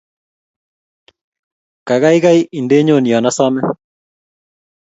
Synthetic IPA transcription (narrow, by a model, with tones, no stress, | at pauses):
ka˨ɣa˦iɣa˦i˦ʔi˨ndeː˦ɲo˦˨ni˨ɔ˨nasɔmɛ